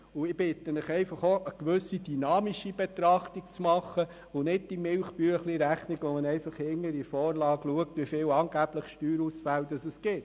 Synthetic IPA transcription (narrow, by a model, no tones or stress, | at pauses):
ʊɪb̥ɪtənɪχɛɪfɑχoʔəkʋʏsidynɑːmiʃibet̪ɾɑχt̪ik̚t͡smɑχːə | ʊnɪdd̥imɪlχb̥yəχliɾæχniɡʋomənɛɪfɑχɪŋːəɾifɔːɾlɑːɡluək̚t̪ʋifɪːlɑːnɡ̥æb̥ləχʃtyːɾusfæld̪ɑsəsɡ̥ɪt